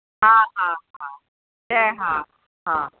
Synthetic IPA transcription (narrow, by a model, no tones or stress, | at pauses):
ɦãɦãɦã | jɛɦã | ɦã